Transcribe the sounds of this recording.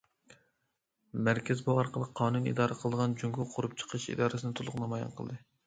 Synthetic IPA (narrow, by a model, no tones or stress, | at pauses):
mæɾkʲʰɛzbuɑɾqʰəlˠəqʰːɑːnunḭd̪ɑːɾəqʰəlˠɨd̪əʁɑnd͡ʒyŋɡʲuqʰʊɾup̚t͡ʃʰə̥qʰəʃḭd̪ɑːɾsɨnɨt̪ʰʊlˠʊqnɨmɑjɑ̰nqʰəl̰ˠd̪ɨ